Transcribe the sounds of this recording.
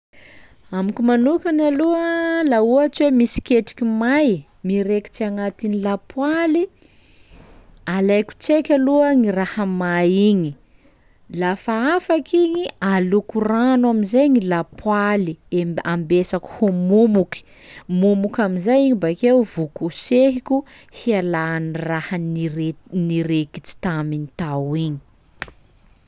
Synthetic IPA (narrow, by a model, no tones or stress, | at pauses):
amikumanukanaluəlauat͡ʃiwemisi̥kʲeʈ͡ʂi̥kimaj | miɾeki̥t͡siaŋat̪inilapwali | alajku̥t͡sekʲaluəŋirahamaiɲi | lafaafakiɲialukuranaminzajŋilapʰwalieambesaku̥humumuki̥ | mumukʲaminzajiɲibakewvukuseɦikʲu | hialanrahanireniɾekit͡si̥t̪aminit̪awiɲi̥